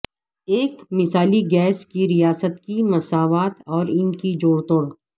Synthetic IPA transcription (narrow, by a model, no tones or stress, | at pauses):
eːkmɪsaːliɡɛːskiɾijaːsət̪kimɐsaːʋaːt̪ɔːɾɪnkid͡ʒoːɽt̪oːɾ